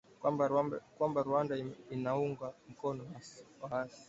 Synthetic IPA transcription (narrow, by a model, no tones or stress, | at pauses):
kwambaɾuandainauŋɡam̩kɔnɔaswaasi̥